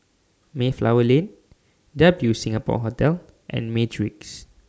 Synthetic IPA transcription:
meflawəlẽn | dabjusĩŋapɔ̰ɦotɛl | ʔɛ̰̃nmetʰɹiks

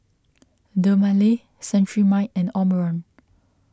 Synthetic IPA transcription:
dəmale | sɛ̃ntɹimaɪtɛ̃nɔməɹə̃n

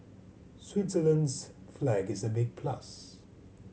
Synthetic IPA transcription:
swɪtsələ̃ndz̥flæɡɪzəbɪɡ̚pʰl̥ʌ̰s

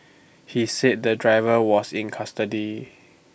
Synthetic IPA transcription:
hisɛt̚dədɹaɪvəwɔsĩnkʰastədi

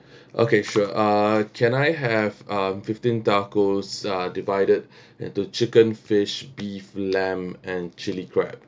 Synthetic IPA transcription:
ʔo̰keʃuʔakʰɛ̃najɦɛvʌmfɪftĩntakosadivaɪdəd̚ | ɪ̰̃ntut͡ʃɪkə̃nfɪʃbiflɛ̃mɛ̃nt͡ʃɪlikʰɹɛ̰p̚

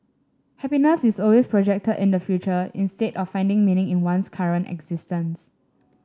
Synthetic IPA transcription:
hɛpinəsisɔlwespɹɔd͡ʒɛk̚tədḭ̃ndəfjut͡ʃəḭ̃nstetɔfːãɪ̃ndɪ̃ŋmĩnɪ̃ŋĩnwãnskʰaɹə̃nɛ̰ɡz̥istə̃ns

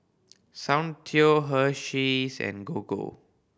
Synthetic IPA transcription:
sãw̃ntʰioɦəʃisɛ̰̃nɡoɡo̰

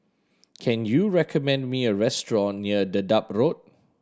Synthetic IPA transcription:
kʰɛ̃njuɹɛkʰəmɛ̃ndmiəɹɛstɹɔ̃nːiədədap̚ɹot̚

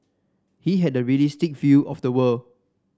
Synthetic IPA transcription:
hiɦɛdəɹiəlistik̚vjuʔɔfdəwəl

